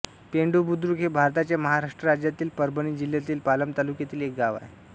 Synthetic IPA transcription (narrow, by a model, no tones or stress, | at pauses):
peɳɖubud̪ɾukɦebʱaɾt̪at͡ɕjaməɦaɾaʂʈɾəɾad͡ʑjat̪iːlpəɾbəñiːd͡ʑiljat̪iːlpaləmt̪alukjat̪iːlek̚ɡaʋa̰je